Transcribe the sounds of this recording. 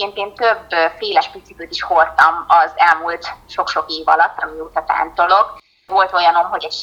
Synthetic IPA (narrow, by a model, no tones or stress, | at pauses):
eːnt̪eːnt̪øbfeːlɛʃpit̪sik̪øt̪iʃho̞rt̪ɒmɒzɛlmult̪ʃo̞kʃo̞keːvɒ̰lɒt̪ːɒmioːt̪ɒt̪a̰ːnt̪o̞lo̞k | ʋo̞lt̪o̞jɒno̞mɦo̞ɟɛɟ